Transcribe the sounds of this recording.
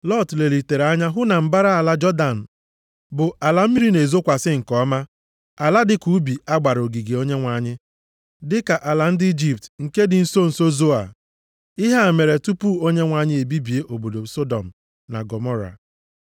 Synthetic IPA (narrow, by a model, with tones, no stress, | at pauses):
lɔ˦˨tle˨li˨te˨ɾa˦ɲa˦ɦʊ˦na˨m̩˦ba˦ɾa˦a˨la˦d͡ʒɔ˦da˨n̩˨ | bʊ˨ʔa˨la˨m̩˦mi˦ɾi˦ne˨zo˦kʷa˨sɪ˦ŋ̩˨kɔ˦ma˦ | a˨la˦dɪ˨ku˨˦bi˨a˦ɡ͡ba˨ɾo˨ɡi˨ɡe˨o˦ɲe˦ŋʷa˨˦˨ɲɪ˦ | dɪ˦ka˨ʔa˨la˨n̩˦dɪ˦i˦d͡ʒi˨p̚tŋ̩˨ke˦dɪ˨n̩˦so˦n̩˨so˦zo˦a̰˨ | i˦ɦa˦a˨me˨ɾe˨tu˦pu˦o˦ɲe˦ŋʷa˨˦˨ɲɪ˦e˨bi˦bi˨e˦ʔo˨bo˨do˨so˦dɔ˨m̩˨ | na̰˨ɡɔ˨mɔ˦ɾa̰˨